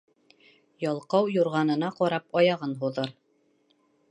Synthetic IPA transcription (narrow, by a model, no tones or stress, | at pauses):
jɒlˠqɑwjuɾʁɑnɤ̆nɑqɒɾɑpɑjɑʁɤnɦuðɤɾ